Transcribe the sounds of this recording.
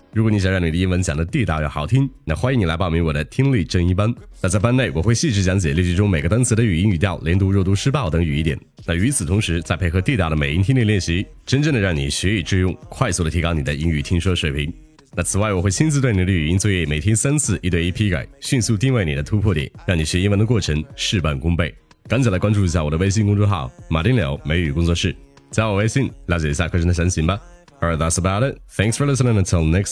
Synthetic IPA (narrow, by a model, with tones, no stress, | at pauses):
ɻu˧˥kɔ˨˩ni˧˥ɕjɑ˨˩ŋɻɑ˥˩ŋni˨˩də˦i˥nwə˧˥nt͡ɕjɑ˨˩ŋd̪ə˦t̪i˥˧t̪ɑ˥˧ʊjɑ˥˩ʊxɑ˧˩ʊt̪ʰi˥ŋna˥˩xwa˥ji˧ŋni˨˩la˧˥ɪɑ˥˩ʊmi˧˥ŋwɔ˨˩d̪ə˦t̪ʰi˥ŋli˥˩ʈ͡ʂɤ˥ŋi˥pa˥nna˥˧t͡sa˥˧ɪpa˥˧ne˥˩ɪwɔ˨˩xwe˥˧ɪɕi˥˧ʈ͡ʂɻ̩˧˩t͡ɕ̬jɑ˧˥ŋt͡ɕjɛ˨˩li˥˩t͡ɕi˥˩ʈ͡ʂʊ˥ŋme˨˩ɪɡə˦t̪wa˥nt͡sʰɹ̩˥˩d̪ə˧y˨˩i˧˥ny˨˩t̪jɑ˥˩ʊljɛ˧˥nt̪u˥ɻt̪u˥˩ʂɻ̩˥pɑ˥˩ʊt̪ɤ˧˥ŋy˨˩i˥t̪jɛ̰˨˩˦n | na˥˩y˧˥t͡sʰɹ̩˨˩t̪ʰʊ˧˥ŋʂɻ̩˧˥t͡sa˥˧ɪe˥˩xɤ˧˥t̪i˥˧t̪ɑ˥˩ʊɾə˩me˨˩ɪi˧˥nt̪ʰi˥li˥˧ljɛ˥˩nɕi˧˥ʈ͡ʂə˥nʈ͡ʂə˥˩ŋd̪ə˩ɻɑ˥˩ŋnḭ˨˩ɕɥɛ˧˥i˨˩ʈ͡ʂɻ̩˥˧jʊ˥˧˩ŋkʰwa˥˧ɪsu˥˩ɾə˩t̪ʰi˧˥kɑ˥ʊni˨d̪ə˦i˧˥ŋy˨˩t̪ʰi˥ŋʂwɔ˥˩ʂwe˨˩ɪpʰi˧˥ŋ | na˥˩t͡sʰɹ̩˨˩wa˥˩ɪwɔ˨˩xwe˥˩ɪt͡ɕʰi˥nt͡sʰɹ̩˧t̪wɪni˨˩ə˧˩˧y˩y˨˩i˥nt͡swɔ˥˧jɛ˥˧˩me˨˩ɪt̪ʰjɛ˥nsa˥nt͡sʰɹ̩˥˩ʔi˥˧t̪we˧i˥˩pʰi˧˥ka̰˨˩ɪɕy˥˧nsu˥˧t̪i˥˧ŋwe˥˩ni˨˩d̪ə˦t̪ʰu˧˥pʰwɔ˥˩t̪jɛ̰˨˩˦nɻɑ˥˩ŋni˨˩ɕɥɛ˧˥i˥nwə˧˥nd̪ə˧kwɔ˥˩ʈ͡ʂʰɤ˧˥ŋʂɻ̩˥˧pa˥˩nkʊ˥ŋpe˥˩ɪ | kŋt͡ɕʰla˧˥kwa˥nʈ͡ʂu˥˩i˧˥ɕ̬ja˥˩wɔ˨˩ə˦we˥ɪɕ̬i˥˧nkʊ˥ŋʈ͡ʂʊ˥xɑ˥˩ʊma˨˩ɾi˥nljo˧˥ʊme˧˥ɪy˨˩kʊ˥ŋt͡swɔ˥˧ʂɻ̩˥˩t͡swɔ˨˩we˥ɪɕi˥˩nljt͡ɕjɛ˨˩i˧˥ɕja˥˩kʰɤ˥˩ʂʰə˧˥nd̪ə˩ɕja˧˥nɕi˧˥ŋbɐ˧ | ə˞˧ðætsəba˧ʊɾɪt̚θæ̃˥ŋksfə˞lɪ˥s̬nə̃˧nətʰɪ˧lˠnɛ˥ks